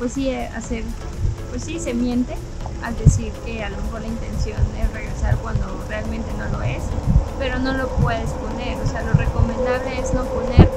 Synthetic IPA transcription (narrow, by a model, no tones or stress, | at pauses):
pwe̞sːia̰seɾ | pwe̞sːise̞mje̞nt̪e̞ | a̰ld̪e̞siɾke̞alomexo̞ɾlaint̪e̞nsjo̞nd̪ere̞ɣɾe̞saɾkwand̪o̞re̞almẽnt̪e̞no̞lo̞e̞spe̞ɾo̞no̞lo̞pwe̞ðe̞spo̞ne̞ɾose̞alo̞re̞ko̞mẽnd̪aβle̞ezno̞po̞neɾ